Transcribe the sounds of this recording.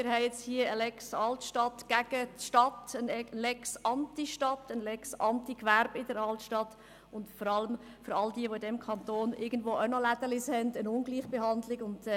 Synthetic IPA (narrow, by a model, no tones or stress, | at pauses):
mɪɾhɛɪɛt͡shiəəlɛksɑltʃtɑtɡ̥æɡ̥ətʃtɑtənɛlɛksɑntiʃtɑtənlɛksɑntikʋærbɪdəɾɑltʃtɑt | ʊndfɔɾɑləmfʏɾɑldiəʋoɪdɛmkʰɑnt̪oːnʔɪɡən̩dʋoːaʊnɔlæd̥̪əlɪshɛndənʊnɡliːχb̥eɦɑndlɪɡʊnd̥